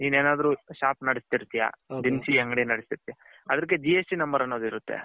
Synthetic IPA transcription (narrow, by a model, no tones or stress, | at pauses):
niːneːnaːd̪ɐɾuːʃaːpnɐɽist̪iɾt̪ija̰d̪insiɐŋɡɐɽinɐɽist̪iɾt̪ija | ɐd̪ɐɾk̬ːed͡ʒiesʈinɐmbɐɾɐnːoːd̪iɾut̪ːḛ